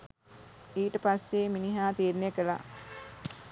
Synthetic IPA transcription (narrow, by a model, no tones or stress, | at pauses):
iːʈəpasːeminiɦaːt̪iːɾunjəkəla̰